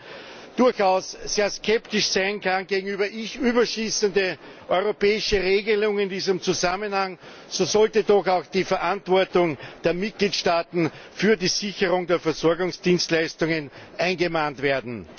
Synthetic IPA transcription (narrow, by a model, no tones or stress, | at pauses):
d̥ʊɐçaʊsseːɐskʰɛptɪʃsaɪnkʰanɡeːɡŋ̩yːbɐʔɪçʔyːbɐʃiːsəndə | ʔɔʏʁopɛːɪʃəʁeːɡəlʊŋɪndiːzəmt͡suzamənhaŋ | soːzɔltədɔxaʊxd̥iːfɛɐʔantv̥ɔɐtʊŋd̥eːɐmɪt̚ɡ̥liːtʃtaːtn̩fyːɐdiːzɪçəʁʊŋdeːɐfɛɐzɔɐɡʊŋsd̥iːnstlæɪstʊŋənʔæɪnɡəmantv̥eːɐdn̩